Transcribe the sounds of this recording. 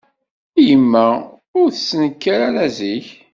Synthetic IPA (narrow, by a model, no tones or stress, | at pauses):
ijəmːæ | ʊɾθəsːənəkːaɾaɾæziç